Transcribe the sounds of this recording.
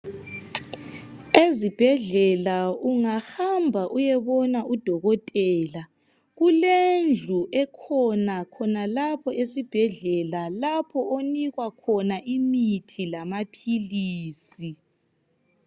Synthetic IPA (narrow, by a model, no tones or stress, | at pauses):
ezib̥ʱɛɮɛlauŋaxambʱaʔujɛβɔnaʔud̥ʱɔɣɔtʼɛːla | ɣulend͡ɮʱuʔɛkʰɔnakʰɔnalapʰɔʔesib̥ʱɛɮɛlalapʰɔʔoniɣwakʰɔnaʔimitʰilamapʰiliːsi